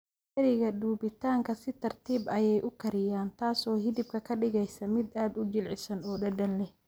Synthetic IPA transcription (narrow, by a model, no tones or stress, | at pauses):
ɛɾɪɣɐɖuːbɪt̪ʰaːŋkʰɐsɪt̪ʰɐrt̪ʰiːbɐjɛjʔʊkʰɐɾɪjaːnt̪ʰaːsɔːɦɪðɪb̚kʰɐkʰɐɖɪɣɛjsɐmɪd̪aːd̪ʊd͡ʒɪlʕɪsɐnɔːɖɐɖɐnlɛh